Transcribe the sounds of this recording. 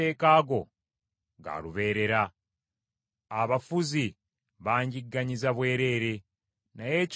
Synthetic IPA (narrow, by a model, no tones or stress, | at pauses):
e̞ːkaːɡo̞ | ɡa̰luβe̞ːɾe̞ɾa | βafuzi | βaːɲɟiɡːaɲizaβwe̞ːɾe̞ːɾe̞ | naje̞c